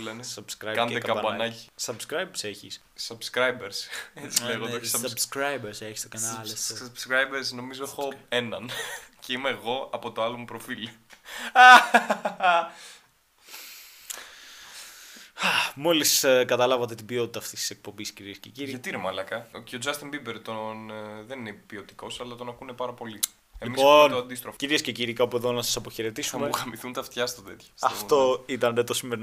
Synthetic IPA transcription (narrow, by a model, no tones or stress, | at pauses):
lenesɐbskɾɐjkɐnd̪ekɐkɐbɐnbɐnɐci̥sɐbskɾɐjbse̞çḭs | sɐbskɾɐjbeɾset͡sileɣoossɐbskɾɐjbeɾseçi̥st̪okɐnɐlɐst̪obskɾɐjbeɾsno̞mizo̞exoenɐnceimeːɣo̞ɐpo̞t̪oɐlo̞mupɾofil | ɐ | ɐmo̞liskɐt̪ɐlɐvɐt̪e̞t̪ibio̞t̪it̪ɐːft̪ist̪i̥se̞k̚po̞mbisciɾiesceciɾiʝɐt̪inemɐlɐkɐceod͡zɐst̪imbibeɾt̪onðeninepiot̪i̥ko̞sɐlɐt̪o̞nɐkune̞pɐɾɐpo̞li | elimisont̪oɐnd̪ist̪ɾofciɾiesce̞ciɾikɐopue̞ðo̞nɐsɐsɐpo̞çeɾe̞t̪isuɐmmexɐmiθunt̪ɐft̪çɐst̪ot̪e̞t̪çɐ̥ɐft̪o̞it̪ɐnðet̪osimeɾin